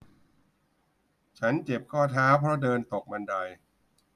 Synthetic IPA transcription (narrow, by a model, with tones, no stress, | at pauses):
t͡ɕʰa˦˥nt͡ɕe˨˩p̚kʰɔː˥˩t̪ʰaː˦˥pʰɾɔ˦˥dɤː˧nt̪o˨˩k̚ma˧nda˧j